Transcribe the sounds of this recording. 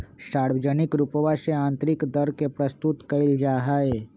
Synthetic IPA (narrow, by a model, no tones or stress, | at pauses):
saɽʋəd͡ʒənikɾupʋaʃeãnt̪ɾikd̪əɾkepɾəst̪ut̪kəild͡ʒaɦae